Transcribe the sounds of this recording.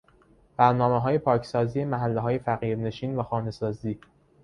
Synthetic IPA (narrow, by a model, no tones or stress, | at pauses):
b̥æɾnɒːmeɦɒːje̞pʰɒːcʰsɒːziːjemæɦælːeɦɒːje̞fæɣiːɾne̞ʃiːnvæxɒːne̞sɒːziː